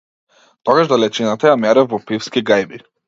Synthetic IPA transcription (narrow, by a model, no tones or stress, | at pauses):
t̪ɔɡaʒd̪alɛt͡ʃinat̪ajamɛɾɛvvɔpifskiɡajbi